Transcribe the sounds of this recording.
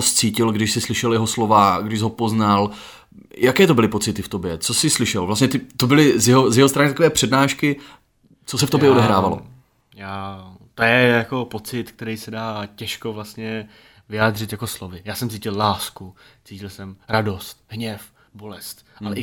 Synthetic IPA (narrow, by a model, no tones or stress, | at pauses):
ost͡siːcɪlɡdɪʃsɪslɪʃɛljɛɦo̞slo̞vaɡdɪʃɦo̞po̞znal | jʔakɛːt̪obɪlɪpo̞t͡sɪt̪ɪft̪o̞bjɛt͡so̞sɪslɪʃɛlvlastɲɛt̪ɪt̪o̞bɪlɪzjɛɦozjɛɦost̪ɾanɪt̪akovɛːpr̝̥ɛdnaːʃkɪ | t͡sosɛft̪objɛodɛɦɾaːvalo̰ | jaːt̪ojɛjako̞po̞t͡sɪt̪k̚t̪ɛɾijsɛdaːcɛʃkovlast̪ɲɛ | vɪjaːd̪r̝ɪt̪jako̞slovɪjaːsɛmt͡siːcɪllaːskut͡siːcɪlsɛmɾado̞st̪̚ɦɲɛf | bolɛst̪ʔalɛɪ